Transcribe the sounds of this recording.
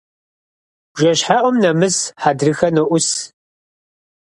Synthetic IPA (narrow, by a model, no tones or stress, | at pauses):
ʒɐɕħaʔʷɔmnɐmɨsħadrɨxɐnɨʔʷʊs